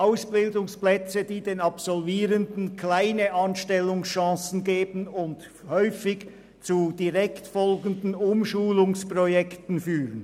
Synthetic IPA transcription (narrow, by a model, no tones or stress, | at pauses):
ʔaʊsb̥ɪldʊŋsplɛt͡səd̥iːdeːnɑpsɔlviːʁəndn̩kʰlaɪnəʔɑnʃtɛlːʊŋsʃɑ̃ːsn̩ɡeːbən̩ʊnt | hœʏfɪç | t͡sud̥iʁɛktfɔlɡən̩dn̩ʊmʃuːlʊŋspʁɔjɛktn̩fyːʁən